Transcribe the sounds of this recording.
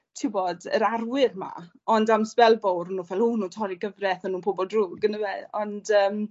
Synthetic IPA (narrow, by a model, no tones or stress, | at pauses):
tʰɪwbɔdə̰ɾarwɪrma̰ | ɔndamspɛlˠvɔwrnuːvɛlˠuːnuːtʰɔɾiɡəvrɛθənuːnpʰobɔldruːɡənəweɔndəːm